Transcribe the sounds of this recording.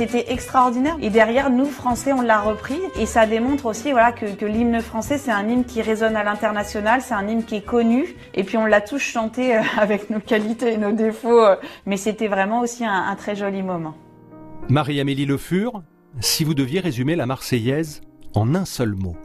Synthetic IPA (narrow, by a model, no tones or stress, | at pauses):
set̪ɛʔɛkst̪χaɔʁd̪inɛʁed̪ɛʁjɛʁnufχɑ̃sɛɔ̃lːaʁəpχiesad̪emɔ̃t̪χosivwalakəkəlimnəfχɑ̃sɛsɛt̪ɛ̃ninkʲiʁezɔnalɛ̃t̪ɛʁnasjɔnalsɛt̪ɛ̃nimnkʲiɛkɔny | epɥiɔ̃ləat̪uʃʃɑ̃t̪eøavɛknokalit̪eːnod̪efoømɛset̪ɛvʁɛmɑ̃osiɛ̃ɛ̰̃t̪χɛʒɔlimɔmɑ̃ | maʁiameliləfyʁ | sivud̪əvjeʁezymelamaʁsɛjɛzɑ̃nɛ̃sœlmo